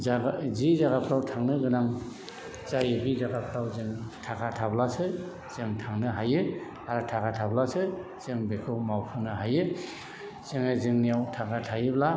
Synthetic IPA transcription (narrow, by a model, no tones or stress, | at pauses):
zizaɡapʰɾawtʰaŋnɯɡɯnaŋ | zajɯbizaɡapʰɾawzɯŋtʰakʰatʰablasɯ | z̥ɯŋtʰaŋnɯɦajɯ | aɾɯtʰakʰatʰablasɯ | z̥ɯŋbekʰɯwmawpʰɯnɯɦajɯ | z̥ɯŋɯzɯŋnijawtʰakʰatʰajɯbla